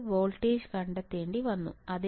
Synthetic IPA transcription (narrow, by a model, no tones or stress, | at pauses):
ʋoːlʈeːd͡ʒkɐɳɖɐt̪ːeːɳɖiʋɐnːṵɐd̪i